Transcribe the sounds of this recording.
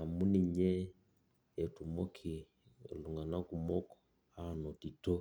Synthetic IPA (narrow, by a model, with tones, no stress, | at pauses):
a˨mu˦ni˨ɲɛ˦ | ɛ˨tu˨mɔ˦kʰi˨ | lu˨ŋɡa˨na˦ku˨mɔ˦kɔ̥˨ | ha˦˨nɔ˨ti˨to˦